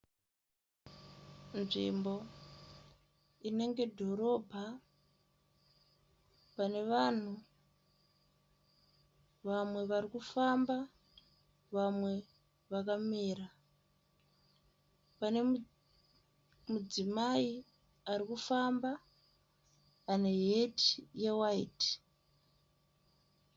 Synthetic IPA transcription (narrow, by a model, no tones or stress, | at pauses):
nʐḭmbo̞ | ine̞ŋɡe̞dʱo̞ɾo̞ːbʱa | pane̞ʋan̤u | ʋamwe̞ʋarikufamba | ʋamwe̞ | ʋakamiːɾa | pane | mud͡zimai | aɾikufamba | ne̞ɦetijewaiti̥